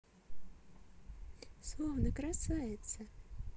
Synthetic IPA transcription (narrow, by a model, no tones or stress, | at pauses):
slˠɔwnɐkɾasajɛt̪sə